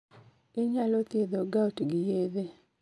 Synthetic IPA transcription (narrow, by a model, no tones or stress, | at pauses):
ɪɲalot̪jed̪oɡautɡɪjeðe